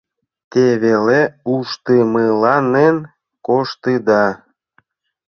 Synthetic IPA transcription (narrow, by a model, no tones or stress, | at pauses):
t̪eβeleuʃt̪əməlɑnen | koʃt̪ɨd̪ɑ